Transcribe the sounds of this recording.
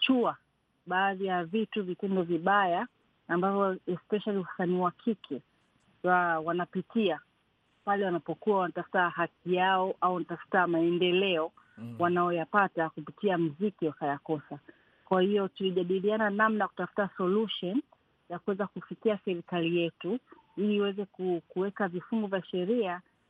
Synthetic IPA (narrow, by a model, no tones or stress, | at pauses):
t͡ʃua | ɓaːðijavituvitɛndɔviɓajaː | mbavɔɛspɛʃaliusaniwakʰikʰɛ | wawanapitia | palɛwanapɔkuwawanatafu̥tahakijaɔʔauwanatafu̥tamaɛndɛlɛɔwanaɔjapatakupitiam̩zikiwakajakɔsa | kwahiɔtuliʄaɗiliananamnajaku̥tafu̥tasɔluʃɔn | jakuwɛzakufikiasɛɾikalijɛtu | iliːwɛzɛkukuwɛkavifuŋɡɔvjaʃɛɾia